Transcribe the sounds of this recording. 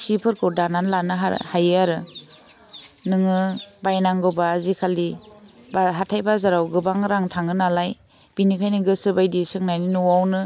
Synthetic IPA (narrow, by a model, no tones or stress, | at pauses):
sipʰɯɾkʰɯdananlanɯɦa̰hajɯaɾɯ | nɯŋɯbajnaŋɡɯwbaːzikʰali | baɦatʰajbazaɾawɡɯbaŋɾaŋtʰaŋɯnalaj | b̥inikʰajniɡɯsɯbajdisɯŋnajninuwawnɯ